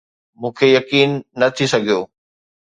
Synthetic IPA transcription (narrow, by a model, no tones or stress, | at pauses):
mũːkʰejɐkiːnːɐt̪ʰisɐɡʱijoː